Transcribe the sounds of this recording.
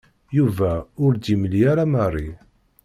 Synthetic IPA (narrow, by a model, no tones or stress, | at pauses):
juvæʊɾd̪iməljaɾamərˤːi